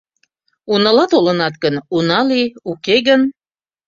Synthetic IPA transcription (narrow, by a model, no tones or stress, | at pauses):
unɑlɑt̪olənɑt̪̚ɡənunɑliukeɣən